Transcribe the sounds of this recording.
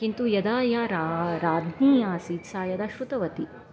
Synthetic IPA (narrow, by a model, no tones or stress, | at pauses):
kint̪ujɐd̪aːjaːɾaɾaːd̪ʱniːjaːsiːt̪saːjɐd̪aʃut̪ɐʋɐt̪i